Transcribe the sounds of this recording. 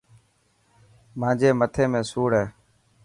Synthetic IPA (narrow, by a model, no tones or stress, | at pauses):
mãːd͡ʒeːmət̪ʰeːmẽːsuːɽɦeː